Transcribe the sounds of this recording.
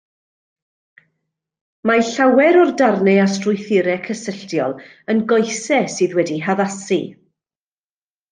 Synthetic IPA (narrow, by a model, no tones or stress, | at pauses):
maɬawɛɾɔrdarnɛastrʊjθɪɾɛkʰəsəɬtjɔ̰lˠ | ənɡɔjsɛsɨːðwɛdiɦaðasi